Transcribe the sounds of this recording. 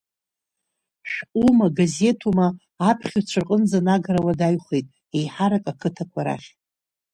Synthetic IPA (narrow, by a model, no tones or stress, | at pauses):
ʃᶣʔʷʼumaɡaze̞tʰumaː | pʰχʲat͡ɕʷʰarqʼənd͡zanaɡaɾawadajχejtʼ | ejħaɾakʼakʰɨtʰakʷʰaɾa̰χʲ